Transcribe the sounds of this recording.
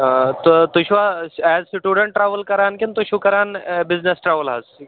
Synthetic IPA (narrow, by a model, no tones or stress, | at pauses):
t̪t̪uɕʋaɛd͡zsʈuɽəɳʈːɾaʋəlkəɾankint̪uɕukəɾanbid͡znesʈɾaʋəlɦas